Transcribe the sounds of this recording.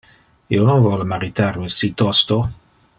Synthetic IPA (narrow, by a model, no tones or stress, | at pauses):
ḭononvɔlmaɾit̪arisit̪ɔst̪o